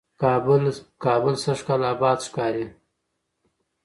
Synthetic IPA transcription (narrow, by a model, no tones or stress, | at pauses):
kɑbʊlkɑːbəlsaʂkalaːbɑːd̪ʃkɑːɾi